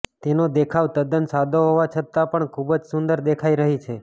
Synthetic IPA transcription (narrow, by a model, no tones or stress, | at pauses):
t̪enod̪ekʰaʋt̪əd̪ənsad̪ʱoɦoʋat͡ʃʰət̪ːapəɳkʰubəd͡ʒsʊnd̪əɾd̪ekʰaiɾəɦit͡ʃʰe